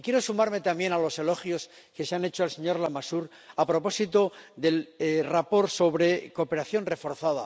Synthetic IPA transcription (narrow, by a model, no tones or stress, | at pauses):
kjeɾo̞sumaɾme̞t̪ambje̞nalo̞se̞lo̞xjo̞s | ke̞seane̞t͡ʃoalse̞ɲo̞ɾlamasuɾ | apɾo̞po̞sit̪o̞ðe̞lrapo̞ɾso̞βɾe̞ko̞pe̞ɾaθjo̞nre̞fo̞ɾθaða